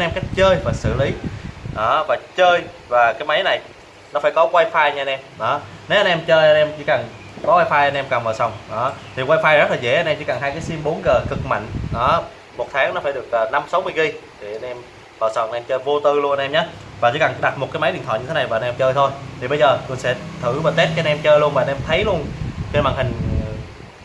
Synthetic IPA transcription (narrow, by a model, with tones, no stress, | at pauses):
nʔɛ˧mka˦˥jk̚t͡ɕəː˧jvaː˨˩sɨ̰˧˨li˨˦ɗɔ˨˦vaː˨˩t͡ɕəː˧j | vaː˨˩kaː˨˦jma˨˦jna˨˩j | nɔ˨˦faː˧˩jkɔ˨˦kwaː˧jfaː˧jɲa˧nʔɛ˧mɗɔ˨˦ne˨˦wʔa˧nʔɛ˧mt͡ɕəː˧jʔa˧nʔɛ˧mt͡ɕḭ˧˥ka˨˩n | kɔ˨˦kwaː˧jfaː˧jʔa˧nʔɛ˧mkaː˨˩nməː˧˨˩sɔ˨˩wŋ͡mɗɔ˨˦t̪ʰi˨˩kwaː˧jfaː˧jz̚laː˨˩zɛ̰˧˩˥ʔa˧nʔɛ˧mt͡ɕi˧˩˦ka˨˩nɦaː˧jka˨˦jsi˧mɓo˨˦nɣəː˨˩kɨ˨˩k̚ma̰˧˨jŋ̟ɗɔ˨˦ | mo˨˩t̚t̪ʰaː˨˦ŋnɔ˨˦faː˧˩jɗɨ˨˩ək̚ʔəː˨˩na˧msa˨˦wmɨ˧əjɣi˧jt̪ʰi˨˩ʔa˧nɛ˧m | vəː˧˨˩sɔ˨˩wŋ͡mʔnʔɛ˧mt͡ɕəː˧jvo˧t̪ɨ˧lə˧ʔa˧nʔɛ˧mɲaː˨˦vaː˨˩t͡ɕḭ˧˥˦ka˨˩ŋɗa˨˩t̚mo˨˩t̚kaː˨˦jma˨˦ɗi˨nt̪ʰɔ̰˧˨˩ɲɨ˧t̪ʰe˨˦na˨˩jvːa˧nɛ˧mt͡ɕəː˧jt̪ʰo˧jt̪ʰi˨˩ɓə˧jzəː˨˩ku˧ənsɛ̰˧˥t̪ʰɨ̰˧˩vaː˨˩t̪e˦˥t̚kːa˧˦˧nʔɛ˧mt͡ɕəː˧jlu˧ənma˨˧nʔɛ˧mt̪ʰə˨˦jlu˧ənxmaː˨˩ŋhï˨˩ŋ̟˨˩